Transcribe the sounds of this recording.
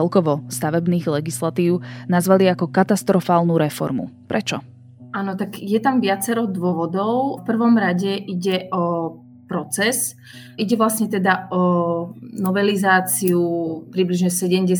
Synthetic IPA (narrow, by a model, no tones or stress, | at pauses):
ɛlkɔʋɔst̪aʋɛbniːɣlɛɡislat̪iːʊnazʋaliakɔkat̪ast̪ɾɔfaːlnuɾɛfɔ̰ɾmṵpɾʔɛt͡ʃɔ | aːnɔt̪aɡjɛt̪amʋɪat͡sɛɾɔʊd̪ʊɔʋɔd̪ɔʊfpr̩ʋɔmɾaɟɛʔiɟɛʔɔ | pɾɔt͡sɛs | iɟɛʋlasɲɛt̪ɛd̪aɔ | nɔʋɛlizaːt͡siupɾibliʒɲɛsɛɟɛmɟɛ